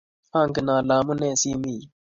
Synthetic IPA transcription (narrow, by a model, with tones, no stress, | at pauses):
a˦ŋɡə˨naː˨laː˨mu˦neː˦˨siː˦miː˨